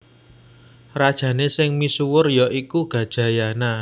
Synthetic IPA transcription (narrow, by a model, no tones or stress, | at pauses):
rad̥ʒ̥ä̤nesɪŋmisuwʊrjɔʔikuɡ̥a̤d̥ʒ̥ä̤jana